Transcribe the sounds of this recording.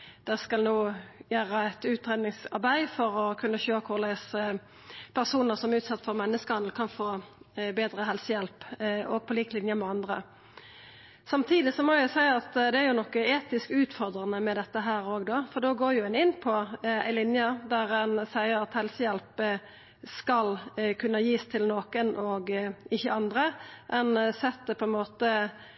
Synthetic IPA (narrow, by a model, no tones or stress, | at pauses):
d̪̥ɛskɑlnuːjæːɾəæɪt̪ʉːt̪ɾeːd̪nɪŋsɑʁbæɪfɔɾɔkʰʉnːəçøːkʰʊʁlæs | pʰæʁsuːnəɾsɔmæʉːt̪sɑt̪ːfɔʁmɛnːəskəhɑnl̩kʰɑnfoːbeːd̪ʁəɦɛlsəjɛlpɔːɡ̚pʰɔliːklɪnjəmɛɑnd̪ʁə̰ | sɑmt̪ʰiːd̪ɪsɔmɔæsæɪəɑt̪d̪ɛæɾjʊnɔkːəeːt̪ɪskʉːt̪fɔʁd̪ʁɑnəmɛd̪ɛt̪ːəɦæːɾoːɡd̪oːfɔd̪oːɡoːɾjʊɛnɪnːpʰɔæ̰ɪlɪnjəd̪æʁɛnsæɪəɾɑt̪hɛlsəjɛlp | skɑlkʰʉnːəjiːst̪ʰɪlnoːkənʔɔɡɪçːəɑnd̪ʁəʔɛnsɛt̪ːəpʰɔɛnmoːt̪ə